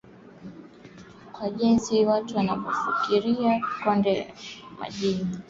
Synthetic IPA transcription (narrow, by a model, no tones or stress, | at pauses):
kwaʄɛnziwatuwanapɔfikiɾiakɔndɛa̰ma̰ʄini